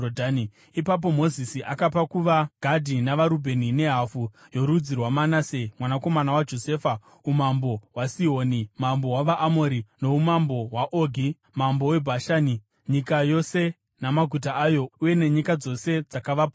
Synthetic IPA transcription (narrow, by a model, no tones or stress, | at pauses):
odani | ipap̬o̞mo̞zisiʔakapakuʋaɡ̥ʱadʱinaʋaɾubʱe̞nine̞ɦafu | jo̞ɾud͡zirwamanasemwanako̞manawad͡ʒo̞se̞ːfa | umambo̞wasiɦo̞ːnimambo̞waʋaʔːmoɾino̞umambo̞waʔoːɡʱi | mambo̞we̞bʱaʃaːni | ɲikajo̞se̞ | namaɡʱutaajo̞uje̞ne̞ɲikad͡zo̞se̞d͡zakaʋapo